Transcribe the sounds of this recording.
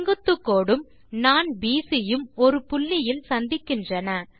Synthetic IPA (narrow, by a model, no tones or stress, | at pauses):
ŋɡɯt̪ːɯkːoːɽɯm | naːnbiːsɪjɯmɔɾɯpʊɭːɪjɪlsɐnd̪ɪkːɪndrɐnɐ